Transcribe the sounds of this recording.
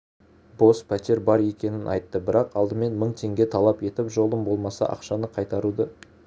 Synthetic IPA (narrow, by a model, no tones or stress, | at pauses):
bo̞spʰæt̪e̞ɾbɑɾe̞kʲe̞nɪnʔɑ̰jt̪ːəbɪɾɑqɑlˠd̪əme̞nməɴt̪ʰe̞ŋɡʲe̞t̪ʰɑlˠɑpe̞t̪ɪpʒo̞lˠəmbo̞lˠmɑsɑ̰ʔɑ̰qʃɑnəqʰɑjt̪ɑɾud̪ɑ